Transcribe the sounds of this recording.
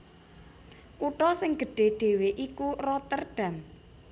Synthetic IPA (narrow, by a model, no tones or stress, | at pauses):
kuʈɔsɪŋɡ̥ə̤ɖ̥e̤ɖ̥e̤weʔikurɔt̪ərɖ̥ä̤m